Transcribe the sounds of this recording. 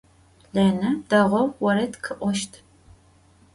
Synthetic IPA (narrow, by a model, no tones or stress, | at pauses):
ɮɐnɐdɐʁʷɔwwɔɾɐtkʰɨʔʷɔʃtʰ